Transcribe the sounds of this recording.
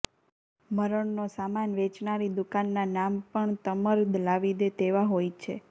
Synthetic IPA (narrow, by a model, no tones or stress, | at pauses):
məɾəɳnosamanʋɛt͡ʃnaɾid̪ukanːanampəɳt̪əməɾd̪ʱlaʋid̪et̪eʋaɦojt͡ʃʰḛ